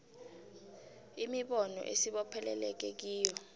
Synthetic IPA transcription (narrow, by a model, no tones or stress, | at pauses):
imiɓɔnɔ̰ʔesiɓɔpʰɛlɛlɛk̬ek̬iːjɔ